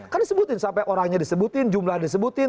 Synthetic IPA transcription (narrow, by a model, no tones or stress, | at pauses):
kardisəbut̪ɪnsampɛʔoɾaŋɲadisəbut̪ɪnd͡ʒumlahdisəbut̪ɪn